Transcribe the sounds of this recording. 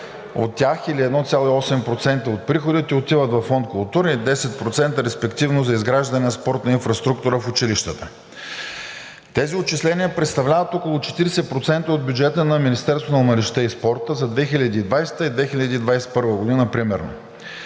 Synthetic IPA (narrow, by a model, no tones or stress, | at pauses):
o̰t̪ʲːjaxiliɛd̪nɔt̪sʲjalˠoiɔsɛmpɾot̪sɛnt̪əot̪̚pɾixod̪it̪ɛot̪ivət̪vɐfːɔnt̪̚kʊlˠt̪uɾəid̪ɛsɛt̪̚pɾot̪sɛnt̪əɾɛspɛkt̪ivnozɐizɡɾaʒd̪ɐnɛnɐspɔɾt̪nɐinfɾɐst̪ɾukt̪uɾəfʊt͡ʃiliʃt̪ət̪ə | t̪ɛziot͡ʃislɛnʲiəpɾɛt̪st̪ɐvlʲavɐt̪ɔkolˠʊt͡ʃɛ̥t̪iɾɛsɛpɾot̪sɛnt̪əod̪̚bʲjud͡ʒɛt̪ənɐminist̪ɛɾst̪vonɐmɐɾɛʃt̪ɛispɔɾt̪əzɐd̪vɛxilʲɐd̪iːd̪vajst̪əid̪vɛxilʲɐd̪ʲiːd̪vajsɛ̥pɤɾvəɡʊd̪inəpɾimɛɾno̰